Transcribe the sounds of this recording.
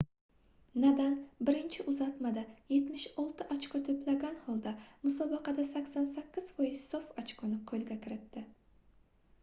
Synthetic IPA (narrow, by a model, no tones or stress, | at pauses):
nad̪anbɪɾɪnt͡ʃʰɪʔʊzat̪mad̪aje̞t̪mɪʃɒlˠt̪ʰɪʔat͡ʃkʊt̪ʰɵplaɡʲanhɒlˠd̪amʊsɒbɑqɑd̪asakʲsansakʲːɪz̥pojɪz̥sofɒt͡ʃqʰʊnɪqʰolˠɡʲakʲʰɪɾɪt̪ːɪ